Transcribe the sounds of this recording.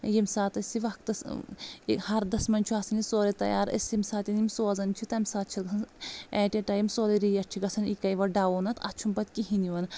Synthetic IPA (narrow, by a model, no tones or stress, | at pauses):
jimsaːt̪ɐsiʋɐkt̪ɐs | hɐɾd̪ɐsmɐnʲt͡ʃʰuasɐnisoːɾet̪ɐ̰ja̰ːɾɐ̰simsaːt̪inimsoːzɐnt͡ʃʰit̪ɐmsaːt̪̚t͡ʃʰit̪ɡɐsɐnɛːʈeʈɐːjimsoːleɾiːjɐɾt͡ʃʰiɡɐsʰɐnikɐjʋɐɖaːʋoːnɐt̪ʰɐ̰t͡ʃʰumpɐt̪kiɦiniʋɐn